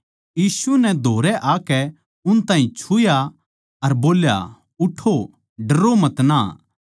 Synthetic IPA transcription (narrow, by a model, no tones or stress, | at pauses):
jiːsunɛd̪ʱoːɾɛʔaːkɛ | ʊnt̪ãːɦĩt͡ʃʰʊja | ɐɾboːlja̰ | ʊʈʰːo | ɖɐɾomɐt̪naː